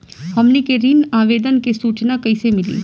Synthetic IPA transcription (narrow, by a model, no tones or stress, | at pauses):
hɐmnekeɾiːnaːʋeːd̪ənkesuːt͡ʃnakɐɪsemɪlḭː